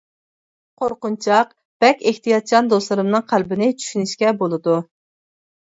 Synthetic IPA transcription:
qʰoɾqʊnt͡ʃʰɑq | b̥ɛkʲeht̪ijɑt̪̚t͡ʃʰɑnd̪oslˠɨɾɨmnɨŋqʰælbɪnɪt͡ʃʰy̥ʃynyʃkʲɛbolˠɨd̪u

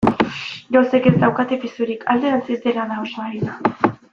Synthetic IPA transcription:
ʝose̞kezd̪awkat̪episuɾikʰald̪eɾat͡sizd̪e̞laðaosanaɾiða

